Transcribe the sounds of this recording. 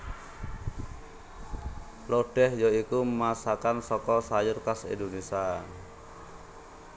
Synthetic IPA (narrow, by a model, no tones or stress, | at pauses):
loɖ̥ɛhjoikumasakansɔkɔsajʊrkasḛnd̪onisan